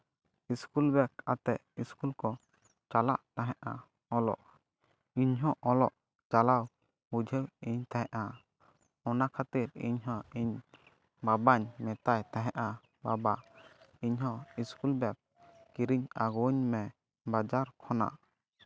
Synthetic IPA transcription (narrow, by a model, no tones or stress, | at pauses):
iskulbɛka̰t̪ɛʔ̪iskulkɔ | t͡ʃala̰ʔt̪aɦɛʔa | ɔlɔ̰ʔ | iɲɦɔ̃ʔɔlɔʔ | t͡ʃalaw | ud͡ʒʱəwiɲt̪aɦɛ̃ʔa | ɔnakʰat̪iɾḭɲɦɔ̃iɲ | babaɲmɛt̪ajt̪aɦɛʔa | babaiɲɦɔ̃iskulbɛk̚ː | iɾiɲaɡuɲmɛ | bad͡ʒaɾkʰɔna̰